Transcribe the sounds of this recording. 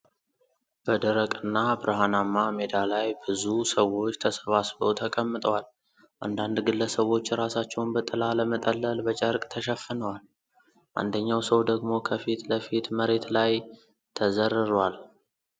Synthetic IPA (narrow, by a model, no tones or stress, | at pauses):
b̥əd̪əɾəkʼɨnːabɨɾəɦanamːamed̪alajbɨzusəwo̞t͡ʃːt̪ʰəsəβasbowt̪ʰəkʼəmːɨt̪ʼəwal | ʔa̰nd̪and̪ɡɨlːəsəβo̞t͡ʃːɾasat͡ʃːɛwnbət̪ʼɨlaləmət̪ʼəlːəlbət͡ʃʼəɾkʼt̪ʰəʃɛfːənəwal | ʔa̰nd̪əɲːawsəwd̪əɡmo̞kʰəfit̪ləfit̪məɾe̞t̪laj | t̪ʰəzəɾːɨɾwal